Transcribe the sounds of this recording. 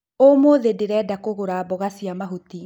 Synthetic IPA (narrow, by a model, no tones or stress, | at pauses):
omoðedeɾɛːdakoɣoɾabɔɣasiamaɦuti